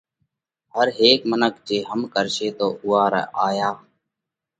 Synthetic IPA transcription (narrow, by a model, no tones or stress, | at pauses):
ɦəɾɦeːkmənəkd͡ʒeːɦəmkəɾʃeːt̪oːʔʊːaːɾə̰ʔaːjaː